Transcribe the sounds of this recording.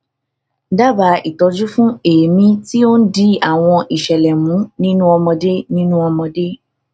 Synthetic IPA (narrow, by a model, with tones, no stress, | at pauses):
da˦ba˨˧˦i˨tɔ˨˧d͡ʒu˦fũ˦e˨mĩ˦ti˦o˦n̩˦di˧˦a˨w̃ɔ̃˧ʔi˨ʃɛ˨lɛ˨mũ˨˦nĩ˦nũ˦ɔ˧mɔ̃˧de˦nĩ˦nũ˦ɔ˧mɔ̃˧de˦